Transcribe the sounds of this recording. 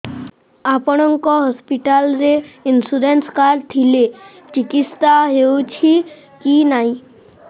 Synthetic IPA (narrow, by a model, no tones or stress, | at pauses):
apɔɽ̃ɔ̃ŋkɔɦɔspiʈalɾeɪnsuɾenskaɾt̪ʰile | t͡ʃikist̪aɦeut͡ʃʰi | kinaːĩ